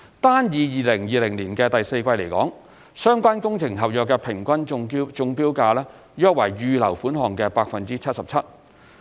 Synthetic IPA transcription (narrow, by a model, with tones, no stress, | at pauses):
t̪aː˥njiː˨˧jiː˨lɪ˨˩ŋjiː˨˧lɪ˨˩ŋliː˨˩nkɛː˧t̪ɐ˨jse˧jkʷɐ˧jle˨˩jkɔː˨˥ŋ | sœː˥ŋkʷaː˥nkʊ˥ŋt͡sʰɪ˨˩ŋɦɐ˨p̚jœː˨kːɛː˧pʰɪ˨˩ŋkʷɐ˥nt͡ʃʊ˧ŋpiː˥wkaː˧lɛː˥ | jœː˥k̚wɐ˨˩jɥyː˧lɐ˨˩wfuː˨˥nɦɔː˨ŋkɛː˧paː˧k̚fɐ˨nt͡siː˥t͡sʰɐ˥t̚sɐ˨p̚t͡sʰɐ˥t̚